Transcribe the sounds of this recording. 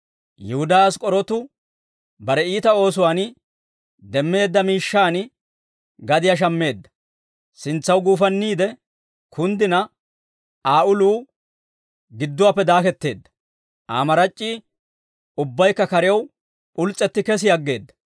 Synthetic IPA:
jɛhʊd̪aaskʼɔɾɔt̪ʊ | bɐɾɛiːt̪ɐo̞ːs̬ʊwaːn | d̪ɛmːe̞ːd̪ːɐmiːʃːaːn | ɡɐd̪ɪjaʃ̬ɐmːe̞ːd̪ːɐ̥ | sɪnt͡sːɐwɡuːfɐnːiːd̪ɛ | kʰʊnd̪ɪnɐ | ʔaːʔʊluː | ɡɪd̪ːʊwaːpːɛd̪aːkɛt̪ːe̞ːd̪ːɐ̥ | ʔa̰ːmɐɾɐt͡ʃʼːiː | ʊbːɐjkːɐkɐɾɪjɐw | pʊlt͡sʼːɛt̪ːɪkɛs̬ɪjɐɡːe̞ːd̪ːɐ̥

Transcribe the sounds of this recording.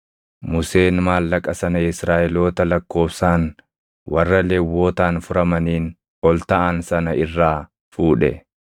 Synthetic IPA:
mʊseːnmaːlːɐkʼɐsɐnɐɪsɾaːʔɛlo̞ːt̪ɐlɐkːo̞ːbsaːn | wʔɐrːɐlewːo̞ːt̪aːnfʊɾɐmɐniːn | ɔlt̪ɐʔansɐnɐɪrːaː | fuːᶑɛ̰

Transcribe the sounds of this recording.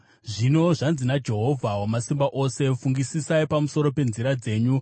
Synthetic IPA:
ʐino̞ʐanzinad͡ʒe̞ɦo̞vʱawamasimbaʔo̞se̞fuŋɡisisaipamuso̞ɾo̞pe̞nziɾad͡ze̞ːɲu

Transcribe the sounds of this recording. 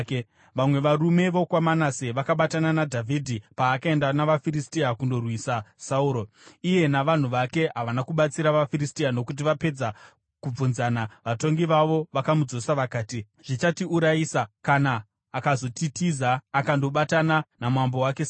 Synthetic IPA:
ʋamwe̞ʋarume̞ʋo̞kwamanaseʋakaɓatananadʱavʱidʱipaːkae̞ndanaʋafiɾistiakundo̞rwisasauːɾo̞ | ije̞naʋan̤uʋake̞ɦaʋanakuɓat͡siɾaʋafiɾistiano̞kut̬iʋape̞d͡za | kub͡vunzanaʋato̞ŋɡiʋaʋo̞ʋakamud͡zo̞saʋakaːti | ʐ̥it͡ʃatiuɾaiːsakanaː | kazo̞titizaːkando̞ɓatananamwambo̞wakes

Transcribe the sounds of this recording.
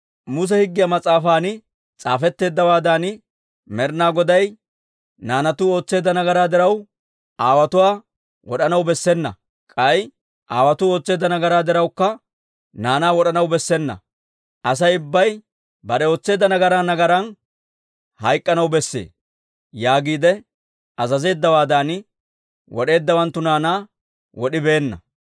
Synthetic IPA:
mʊs̬ɛhɪɡːɪjɐmɐt͡sʼːaːfaːnɪ | t͡sʼa̰ːfɛt̪ːe̞ːd̪ːɐwaːd̪aːn | mɛɾnaːɡɔd̪ɐj | naːnɐt̪ʊo̞ːt͡sːe̞ːd̪ɐnɐɡɐɾaːd̪ɪɾɐw | aːwɐt̪ʊwaː | wɔɗɐnɐwbɛsːɛnːɐ̰ | kʼɐj | ʔaːwɐt̪ʊo̞ːt͡sːe̞ːd̪ːɐnɐɡɐɾaːd̪ɪɾɐwkːɐ | naːnaːwɔɗɐnɐwbɛsːɛnːɐ̰ | ʔɐs̬ɐjʊbːɐj | bɐɗɛo̞ːt͡sːe̞ːd̪ːɐnɐɡɐɾaːnɐɡɐɾɐn | hɐjkʼːɐnɐwbɛsːḛː | jaːɡiːd̪ɛ | ɐzɐze̞ːd̪ːɐwaːd̪aːnɪ | wɔ̰ɗe̞ːd̪ːɐwɐnt̪ːʊnaːnaː | wɔɗɪbe̞ːnːɐ̰

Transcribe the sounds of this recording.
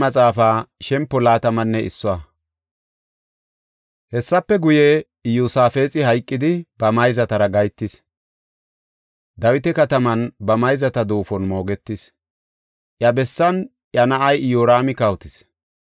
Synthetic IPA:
mɐt͡sʼaːfaːʃɛmpːɔlaːt̪ɐmɐnːɛɪ̰sːɔwa | hɛsːɐpːɛɡʊje | juːsaːfe̞ːt͡sʼɪhɐjkʼːɪd̪ɪbɐmɐjzɐt̪ɐɾɐɡɐjt̪ːɪs | d̪ɐwɪt̪ɛkɐt̪ɐmɐnbɐmɐjzɐt̪ɐd̪oːfɔnmo̞ːɡɛt̪ːɪs | ʔjɐbɛsːɐn | ʔjɐnɐʔɐjjoːɾaːmɪkɐwt̪ɪs

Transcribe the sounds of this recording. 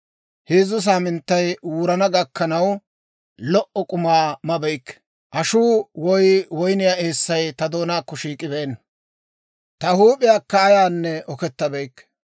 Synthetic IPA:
heːzʊs̬aːmɪnt̪ːɐjwuːɾɐnɐɡɐkːɐnɐw | lɔʔɔkʼʊmaːmɐbɛjkː | ʔɐʃuːwɔjwɔjnɪjaeːsːɐjt̪ɐd̪o̞ːnaːkːɔʃiːkʼɪbɛːnːɐ | t̪ɐhuːpʼɪjaːkːɐːjaːnːɛʔɔkɛt̪ːɐbɛjkː

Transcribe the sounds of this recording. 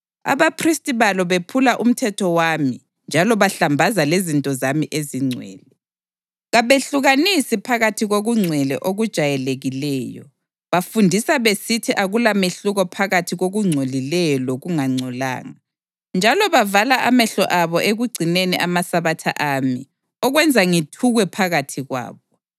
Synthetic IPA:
a̰βapʰristʼiβalɔβepʰulaʔum̩tʰɛtʰɔwaːmi | nd͡ʒʱalɔβaɬambʱazalezintʼɔzamiʔeziŋ͡ǀʱwɛ̰ːlɛ | ɣaβeɬuɣanisipʰaɣatʰiɣoɣuŋ͡ǀʱwɛlɛ̰ʔoɣud̥ʒ̥ʱajɛleɣilɛːjɔ̰ | βafundʱisaβesitʰiʔaɣulameɬuɣɔpʰaɣatʰiɣoɣuŋ͡ǀʱolilɛjɔloɣuŋaŋ͡ǀʱɔla̰ːŋa | nd͡ʒʱalɔβavalaʔamɛɬɔ̰ʔaβɔʔeɣuɡ͡ǀʱineniʔamasaβatʰa̰ʔami | ɔɣwɛnd͡zʱaŋitʰuɣwɛpʰaɣatʰiɣwa̰ːβɔ

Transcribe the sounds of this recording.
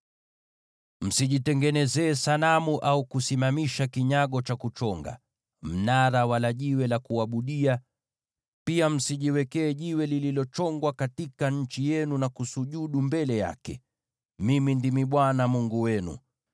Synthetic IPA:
m̩siʄitɛŋɡɛnɛzɛːsalamuʔaukusimamiʃakiɲaɠɔt͡ʃakut͡ʃɔŋɡa̰ | m̩naɾawalaʄiwɛlakuwaɓuɗia | piam̩siʄiwɛkɛːʄiwɛlililɔt͡ʃɔŋɡwakatikaɲ̩t͡ʃijɛnunakusuʄuɗumbɛlɛja̰kɛ̰ | mimindimiɓwanamuŋɡuwɛnṵ

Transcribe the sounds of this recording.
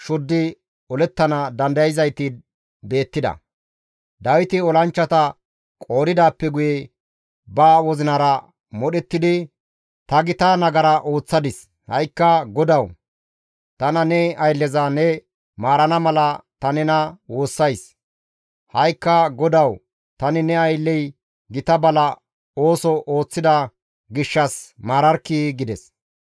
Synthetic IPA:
ʃʊd̪ːɪ | ɔlɛt̪ːɐnɐd̪ɐnd̪ɐjɪzɐjt̪ɪ | be̞ːt̪ːɪd̪ɐ̰ | d̪ɐwɪt̪ɪɔlɐnt͡ʃːɐt̪ɐ | kʼo̞ːɾɪd̪aːpːɛɡʊjɛ | baːwɔzɪnaːɾɐ | mɔɗɛt̪ːɪd̪ɪ | t̪ɐɡɪt̪aːnɐɡɐɾɐʔo̞ːt͡sːɐd̪ɪs | hɐ̰jkːɐɡɔd̪ɐw | t̪ɐnɐnɛɐjlːɛzanɛ | maːɾɐnɐmɐlɐt̪ɐnɛnɐwo̞ːsːɐjs | hɐjkːɐɡɔd̪ɐw | t̪ɐnɪnɛɐjlːɛj | ɡɪt̪ɐbɐlɐ | o̞ːsɔʔoːt͡sːɪd̪ɐ | ɡɪʃːɐsmaːɾɐɾkːiɡɪd̪ɛs

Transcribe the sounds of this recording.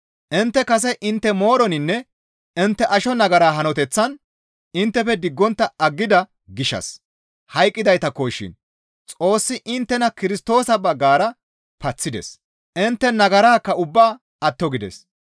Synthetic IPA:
ʔɪnt̪ːɛkɐsɛʔɪnt̪ːɛmo̞ːɾɔnɪnːɛ | ɪnt̪ːɛʔɐʃɔnɐɡɐɾaːɦɐnɔt̪ɛt͡sːɐn | ɪnt̪ːɛfɛd̪ɪɡːɔnt̪ːɐɐɡːɪd̪ɐ | ɡɪʃɐ̰s | hɐjkʼːɪd̪ɐjt̪ɐkoːʃːɪ̰n | t͡sʼo̞ːsːɪʔɪnt̪ːɛnɐkɪɾɪst̪o̞ːsɐbɐɡːaːɾɐ | pɐt͡sːɪd̪ɛ̰s | ʔɪnt̪ːɛnɐɡɐɾaːkːɐʊbːaː | ɐt̪ːɔɡɪd̪ɛ̰s

